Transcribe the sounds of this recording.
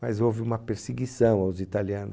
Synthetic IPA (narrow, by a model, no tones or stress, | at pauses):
mazowvɪũmɐpeɾseɡisɐ̃w̃awzit̪aliɐ̃nʊ